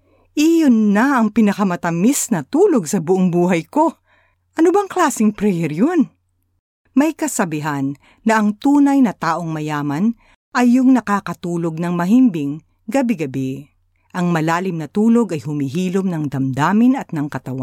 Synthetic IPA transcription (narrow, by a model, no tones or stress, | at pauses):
ʔijonːɐɐŋpɪnɐkɐmɐt̪ɐmisnɐt̪uːlo̞ɡsɐbʊʔoŋbuːɦɐjko̞ | ʔɐnobɐŋklaːsɪŋpɾɛjɛɾjon | mɐjkɐsɐbɪɦanː | ɐʔɐŋt̪uːnɐjnɐt̪aːʔo̞ŋmɐjaːmɐn | ʔɐjːʊŋnɐkakɐt̪uːlo̞ɡ̚nɐŋmɐɦimbɪŋ | ɡɐbɪɡɐbɪ | ʔɐŋmɐlaːlɪmnɐt̪uːlo̞ɡɐjhʊmɪɦiːlomnɐŋd̪ɐmd̪aːmɪnɐt̪̚nɐŋkɐt̪ɐwan